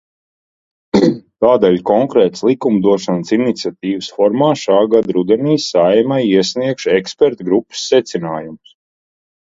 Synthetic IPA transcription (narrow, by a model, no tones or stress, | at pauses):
t̪aːd̪ɛʎʲkɔŋkɾɛːt̪slˠikumd̪uɔʃansinit̪sʲiat̪iːvəsfɔɾmaːʃaːɡad̪ɾud̪ɛniːsajmajiɛsniɛkʃɛkspɛɾt̪ɡɾupːə̥sːɛt̪sinaːjums